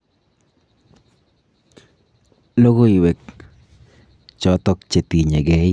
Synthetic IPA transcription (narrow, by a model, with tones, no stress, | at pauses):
lo˦ɡo˦i˨wɛ˨k̚ | t͡ʃɔ˨˦t̪ɔ˦k̚t͡ʃe˨t̪i˨ɲe˨ɡɛ˦